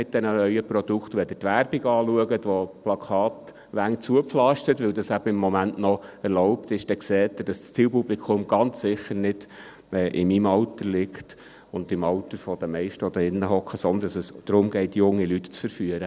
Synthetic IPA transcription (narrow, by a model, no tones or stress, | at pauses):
mɪt̚d̥̪ɛnənœʏəpɾɔd̥̪ukχt̪ʋɛd̪ətʋæɾb̥iɡɑːluəɡətʋɔplɑkʰɑːt | ʋæŋt͡suəpflɑʃtətʋɵwdɑsæbəɪmːɔmænʔnɔɛɾloʊpt̪ɪʃd̥ɛkseːt̪ːəd̥ɑsst͡siːlpublikʰʊmɡ̥ɑnt͡ssɪχːəɾnɪd̥ | ɛːʔɪmimɑwt̪əɾlɪkt | ʊnd̪ɪmɑwt̪əɾfɔd̥̪əmɛɪʃtəɔd̪əɪnːəɦɔkʰːəsɔnd̪əndɑsəsd̥ɾʊmɡɛɪtjʊŋːilytt͡sfəɾfyəɾə